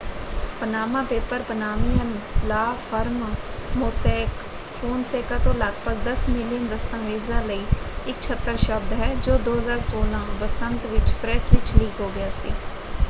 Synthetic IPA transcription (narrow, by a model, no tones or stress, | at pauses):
pənaːmãːpeːpəɾpənaːmɪjənlaːfʰəɾmmoːsɛːk | fʰoːnseːkaːt̪õːləɡbəɡd̪əsmɪlɪjənd̪əst̪ə̃ːʋeːzaːləiːɪk̚t͡ʃʰət̪ːəɾʃəb̚d̪ɦɛːd͡ʒoːd̪oːɦəzaːɾsoːlãːbəsənt̪ʋɪt͡ʃpɾɛːsʋɪt͡ʃliːkɦoːɡɪjaːsḭː